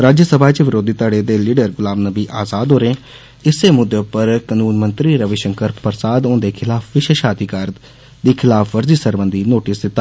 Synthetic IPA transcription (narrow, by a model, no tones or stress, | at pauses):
ɾaːd͡ʒjəsəbʱaːt͡ʃʋɪɾoːd̪iːt̪əɽeːd̪eːliːɖəɾɡʊlaːbnəbiːʔaːzaːd̪ɦoːɾẽː | ɪseːmʊd̪ːeːpəɾkənũːnmənt̪ɾiːɾəʋeʃəŋkəɾpəɾsaːd̪õːnd̪eːkʰɪlaːpʰʋɪʃeːʃaːt̪iːkəɾ | d̪iːkʰɪlaːpʰʋəɾziːsəɾbənd̪iːnoːʈiːsd̪ɪt̪ːaː